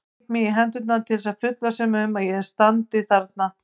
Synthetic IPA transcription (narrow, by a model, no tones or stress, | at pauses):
t̪miiɦɛnt̪ʏt̪nat̪ʰɪlɪsaðfʏt̪lasɛmʏmaðjɛɾ̥st̪ant̪ɪθaɾt̪̚na